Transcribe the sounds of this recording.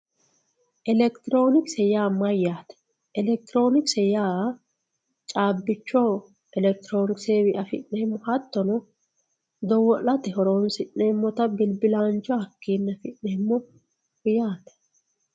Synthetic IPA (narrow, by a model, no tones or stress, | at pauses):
ʔɛlɛkt̪ɪɾo̞ːnɪksɛjaːmɐjːaːt̪ɛ̥ | ʔɛlɛk̚t̪ɪɾo̞ːnɪksɛjaː | t͡ʃʼaːbːɪt͡ʃːoː | ɛlɛk̚t̪ɪɾoːnɪkseːwɪʔɐfɪ̰ʔnɛmːɔhɐt̪ːɔnɔ | d̪ɔwɔlːɐt̪ɛhɔɾoːnsɪʔnemːɔt̪ɐbɪlbɪlaːnt͡ʃːɔɐkːiːnːɐfɪʔːɛmːɔ | hʊjaːt̪ɛ̥